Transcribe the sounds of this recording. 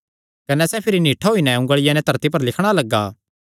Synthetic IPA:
kɐnɛsɛpʰɪɾiniːʈʰaɦoːinɛʊ̃ŋɡəɭɪjanɛ̃t̪ʰɐɾt̪ip̬ɐɾlɪkʰɽ̃alɐɡːa̰ː

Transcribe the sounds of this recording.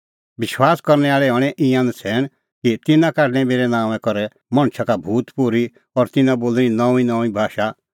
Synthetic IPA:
bɪʃwaːskɔɾnɛaːɭɛɦɔːɽ̃ɛʔɪ̃jãnɛt͡sʰɛːɽ̃ | kit̪ɪnãkaːʈñɛmeːɾɛnãːʋɛ̃kɔɾɛ | mɐ̃ɽ̃t͡ʃʰakabʱuːt̪puɾi | ɔɾt̪ɪnãboːlnĩnɔ̃ĩnɔ̃ĩbʱaːʃa

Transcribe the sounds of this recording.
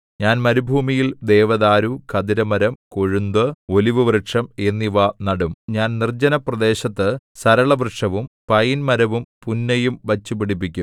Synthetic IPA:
ɲaːnmɐɾubʱuːmijild̪e̞ːʋɐðaːɾukɐd̪iɾɐmɐɾɐmkoɻund̪ɨo̞liʋɨʋrɨʂɐme̞nːiʋɐnɐɽumɲaːnnird͡ʑɐnɐprɐd̪e̞ːɕɐt̪ːɨ | sɐɾɐɭɐʋrɨʈʂɐʋumpɐjinmɐɾɐʋumpunːɐjumʋɐt͡ɕːupːiɽipːikʲːum

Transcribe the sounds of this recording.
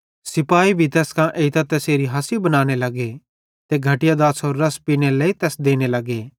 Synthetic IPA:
sɪpaːibʱit̪ɛːskʰãʔeːit̪at̪ɛseːɾiɦɐsibɐnaːñelɐɡe | t̪eɡʱɐʈɪjad̪aːsoːɾːɐspiːnelɐːit̪ɛːsd̪eːñelɐɡeː

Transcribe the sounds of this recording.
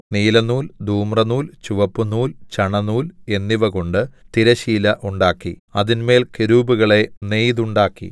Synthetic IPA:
niːlɐnuːld̪ʱuːmrɐnuːlt͡ɕuʋɐpːunuːlt͡ɕɐɳɐnuːle̞nːiʋɐɣo̞ɳɖɨt̪iɾɐɕiːlɐʔuɳɖaːkːḭɐðinme̞ːlkeɾuːbuɣɐɭe̞nejðuɳɖaːkːḭ

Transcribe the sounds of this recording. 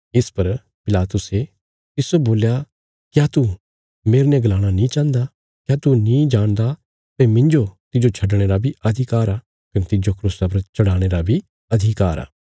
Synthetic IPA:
ɪspɐɾ | pɪlaːt̪ʊse | ɪsoboːlja | kjaːt̪u | meːɾneɡlaːɽ̃anĩt͡ʃãːnd̪a | kjaːt̪unĩd͡ʒaːɽ̃d̪a | pẽmɪ̃ɲd͡ʒot̪ɪd͡ʒot͡ʃʰɐɖɽ̃eɾabʱiʔɐd̪ʱɪkaːɾa | kɐnet̪ɪd͡ʒokɾʊsap̬ɐɾt͡ʃɐɽaːɽ̃eɾabʱi | ɐd̪ʱɪkaːɾa̰ː

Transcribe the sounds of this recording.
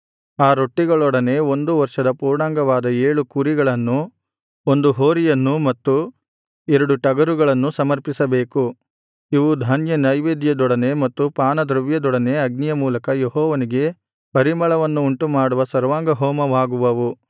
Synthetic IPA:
aːɾo̞ʈːiɡɐɭɔɽɐne̞ːo̞nd̪uʋɐɾʂɐd̪ɐpuːɳaːŋɡɐʋaːd̪ɐeːɭukuɾiɡɐɭɐnːu | ond̪uɦoːɾijɐnːumɐt̪ːu | ɛɾɐɽuʈɐɡɐɾuɡɐɭɐnːusɐmɐɾpisɐbe̞ːku | iʋud̪ʱaːnjɐnɐjʋeːd̪jɐd̪ɔɽɐne̞mɐt̪ːupaːnɐd̪ɾɐʋjɐd̪ɔɽɐne̞ɐɡ̚nijɐmuːlɐkɐjeɦɔːʋɐniɡe̞ | pɐɾimɐɭɐʋɐnːuːɳʈumaːɽuʋɐsɐɾʋaːŋɡɐɦɔːmɐʋaːɡuʋɐʋu

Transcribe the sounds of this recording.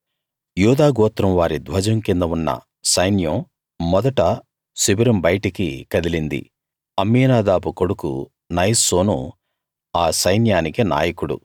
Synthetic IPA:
juːd̪aːɡɔːt̪ɾɐmʋaːɾid̪ʋɐd͡ʒɐŋkind̪ɐunːɐ̰ | sɐjnjɐm | mɔd̪ɐʈɐ | sibiɾɐmbɐjʈɐkḭkɐd̪ilind̪ḭ | ɐmːiːnaːd̪aːbukoɽukṵ | nɐjsoːnṵ | aːsɐjnjaːnikina̰ːjɐkuɽṵ

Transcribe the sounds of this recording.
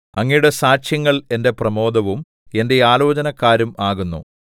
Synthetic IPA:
ɐŋːijuɽe̞saːɕjɐŋːɐɭe̞nde̞prɐmo̞ːd̪ɐʋum | e̞nde̞aːlo̞ːt͡ɕɐnɐkːaːɾumaːɣunːṵ

